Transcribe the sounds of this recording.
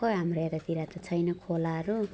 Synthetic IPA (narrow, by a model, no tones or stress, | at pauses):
kʌɦamreɾat̪iɾat̪ʌt͡sʰʌjnʌkʰolaɦʌɾu